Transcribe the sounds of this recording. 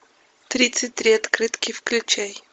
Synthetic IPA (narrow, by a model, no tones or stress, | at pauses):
t̪ɾʲit̪sɨt̚ʲt̪ɾʲiɐt̪kɾɨt̪kʲɪxklʲʊt͡ɕej